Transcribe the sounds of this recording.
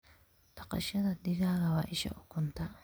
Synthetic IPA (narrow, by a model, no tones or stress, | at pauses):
t̪ɐqʼɐ̰ʃɐt̪ɐd̪ɪɡaːɡɐwaːʔɪʃɐ̰ʔʊkːʊnt̪ɐ